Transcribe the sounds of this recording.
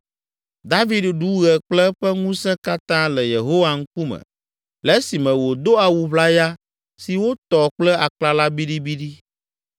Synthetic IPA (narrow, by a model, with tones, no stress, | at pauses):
d̪a˦vi˦dɖu˨˦ɣɛ˨k͡plɛ˦ɸɛ˦ŋũ˦sɛ̃˦ka˦t̪ã˦lɛ˨je˨ɦo˦wa˨ŋ̩˦ku˦mɛ̰̃˨ | lɛ˦si˨mɛ̃˨wo˨d̪o˦a˨wu˨βla˦ja˦ | si˨wo˦t̪ɔ˨k͡plɛ˦a˨k͡pla˦la˦bi˦ɖi˦bi˦ɖi˦